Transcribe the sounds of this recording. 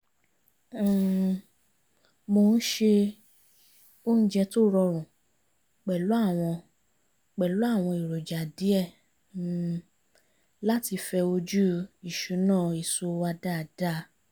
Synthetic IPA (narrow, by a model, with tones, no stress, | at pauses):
mo˧n̩˦ʃe˧ | o˦n̩˦d͡ʒɛ˧to˦ɾɔ˧ɾ̃ũ˨ | k͡pɛ˨lo˨˦a˦˨w̃ɔ̃˧ | k͡pɛ˨lo˨˦a˦˨w̃ɔ̃˧i˨ɾo˨d͡ʒa˨di˨˦ɛ˦˨ | la˦ti˧fɛ˧o˧d͡ʒu˦i˨ʃu˨˦nãː˦˨i˨so˧˦wa˧da˦˨da˦